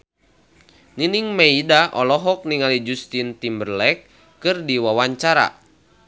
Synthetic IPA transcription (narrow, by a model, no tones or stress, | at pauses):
niniŋmeidaʔɔlɔɦɔk̚niŋalid͡ʒust̪int̪imbərlɛkː | ɨrdiwawaɲt͡ʃaɾa̰